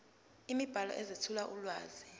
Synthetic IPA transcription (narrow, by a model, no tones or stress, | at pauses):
imib̥ʱalɔ̰ʔɛzitʰulaʔulwaːzi